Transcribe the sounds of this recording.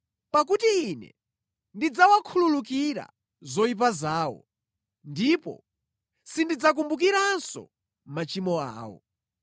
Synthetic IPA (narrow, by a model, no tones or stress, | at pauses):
pakutiːnɛ̰ | ndid͡zawakʰululuk̬iɾa̰ | zɔip̬azaːwɔ̰ | ndipɔ̰ | sindid͡zak̬umbuk̬iɾansɔ̰ | mat͡ʃimɔa̰ːwɔ̰